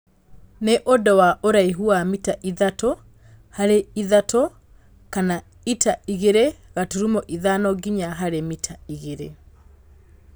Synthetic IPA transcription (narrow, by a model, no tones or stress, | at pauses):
neʔodɔwaʔoɾaiɦuamitaʔiðatɔ | haɾeiðatʰɔ | kana | itaiɣeɾeɣatuɾumɔʔiðanɔɡiɲaɦaɾemitʰaiɣeɾḛ